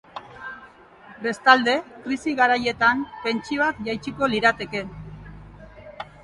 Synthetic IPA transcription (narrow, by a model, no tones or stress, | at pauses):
be̞st̪ald̪e̞kɾisiɣaɾaje̞t̪ampe̞nt͡ʃiakʝajt͡ʃiko̞liɾat̪e̞ke̞